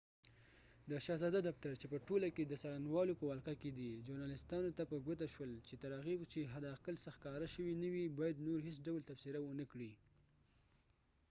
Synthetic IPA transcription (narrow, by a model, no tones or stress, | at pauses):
d̪əʃɑzɑd̪ad̪aft̪aɾt͡ʃepəʈolaked̪əsaɾanwɑlopəwɑlqaked̪id͡ʒoɾnɑlɪst̪ɑnot̪apəɡot̪aʃwəlt͡ʃet̪aɾɑɣiwt͡ʃeɦad̪ɑqəlsəxkɑɾaʃəwinawibɑjad̪noɾɦes̬ɖawlt̪afsɪɾawənəkɽi